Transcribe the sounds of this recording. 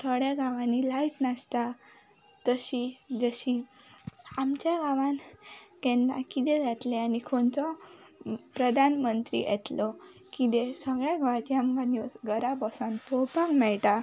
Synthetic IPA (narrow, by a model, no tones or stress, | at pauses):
t̪ʰəɭjaɡaʋãnːilajʈnast̪a | t̪əɕid͡zəɕi | amt͡ɕjaɡaʋãnkɛ̃nd̪ã̰kit̪ed͡zat̪leanikʰont͡sɔ | pɾəd̪ʱanmənt̪ɾḭʔɛ̰t̪lɔ | kit̪esəɡɭjaɡaʋãt͡ɕiamkanusɡəɾabɔsanpopãŋmɛɭʈ̪a